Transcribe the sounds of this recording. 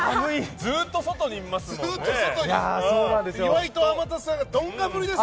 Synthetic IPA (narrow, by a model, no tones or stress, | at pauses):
aɯizɨːt̪ːo̞so̞t̪o̞ɲ̟imasɨmːt̪ːoot̪oɲjasoːnãnd̪esoβait̪o̞amat̪asãɡad̪õ̞ŋɡabɯɾʲid̪es